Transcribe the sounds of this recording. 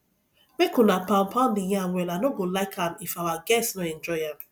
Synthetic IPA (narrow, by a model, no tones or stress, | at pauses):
mekunapãm̩pʰãndijawɛlanoɡolaɪkãmifawaɡɛsnoɛ̃nd͡ʒɔɪam